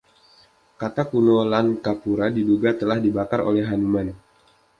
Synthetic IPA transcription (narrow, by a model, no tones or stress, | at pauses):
kat̪akunolankapuɾadiduɡat̪əlahdibakaɾo̰lɛɦanuman